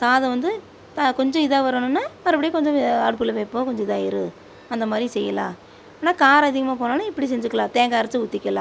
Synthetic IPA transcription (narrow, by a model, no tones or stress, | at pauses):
saːðɐʋɐnd̪ɯ | t̪akɔɲd͡ʒɔ̃ɪðaːʋɐɾɐnɯnːaːɐɾɐp̬ːɐɽɪjeːkɔɲd͡ʒɔ̃aːɽɯk̬ːɯɭlːɐʋeːpːoːkɔɲd͡ʒɔ̃ɪðaːɪɾɯ | ɐnd̪ɐmaːd̪ɾisɛjːɐlãː | aːnːaːkaːɾɐðɪɣɐmaːpoːnaːnaɪpːɐɽis̬ɛɲd͡ʒɯkːɐlãːt̪eːŋɡaːɪɾɐt͡ʃːɯʊt̪ːɪkʲːɐlã̰ː